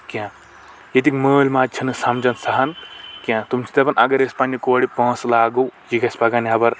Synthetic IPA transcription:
kʲã | jet̪ikməːlʲmaːd͡ʒ̚t͡ʃʰɐnɨsɐmd͡ʒɐnsɐɦɐnkʲãt̪umt͡ʃʰi̥t̪ɐpɐnʔɐɡɐɾespanikoːɽipɐ̃ːslaːɡɐwjikɐsʲpakaniɐbɐɾ

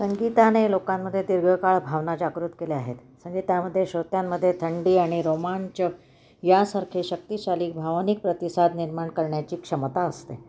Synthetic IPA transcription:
səŋɡit̪anelokamːəd̪ʱːjed̪iɾɡəkaɭbʱaʋnad͡ʑaɡɾut̪keleaɦḛt̪ | səŋɡit̪jaməd̪ʱːjeɕot̪jamːəd̪ʱːjet̪ʰəɳɖiːaɽ̃iɾomant͡ɕə | jasaɾkʰeɕək̚t̪iɕaliːk̚bʱaʋnik̚pɾət̪isad̪niɾmaɳkəɾɳjat͡ɕiːkʂəmt̪aəst̪e

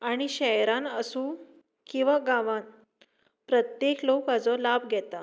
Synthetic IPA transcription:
aɽ̃iɕɛjɾãnəsũ | kĩw̃ʋaɡãʋãn | pɾət̪jeklokad͡zɔlabɡʱɛt̪a

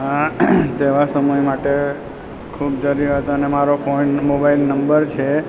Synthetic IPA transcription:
ɦãt̪eʋasəməjmaʈe | kʰubd͡ʒəɾiɾɦət̪ənemaɾopʰɔiɳʈmobailnəmbəɾt͡ʃʰe

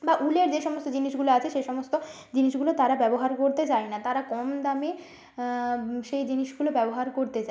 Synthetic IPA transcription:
baʔuleɾd͡ʑeʃɔmost̪od͡ʑiniʃɡuloat͡ɕʰeʃejʃɔmost̪o | d͡ʑiniʃɡulot̪aɾabɛboɦaɾkoɾt̪et͡ɕaenat̪aɾakɔmd̪ame | ʃejd͡ʑiniʃɡulobɛboɦaɾkoɾt̪et͡ɕa

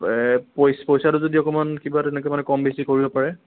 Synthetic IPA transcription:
pojspojsatʊzodiɔkɔmankibatɛnɛkoɛjmanɛkɔmbisikoɹibɔpaɹɛ

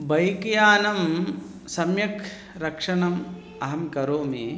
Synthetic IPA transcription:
bɐjkjaːnɐm | sɐmjɐkʰ | ɾɐkʂɐɳɐm | ɐɦɐmkɐɾoːmi

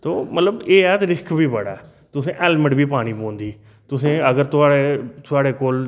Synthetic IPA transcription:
t̪oːmət̪ləbeːɛːt̪ːɾɪskʰbiːbəɽa̰ɛː | t̪ʊsẽːʔɛːlməʈbiːpaːɽ̃iːpõːnd̪iː | t̪ʊsẽːəɡəɾt̪ʊaːɽeːt̪ʊaːɽeːkoːl

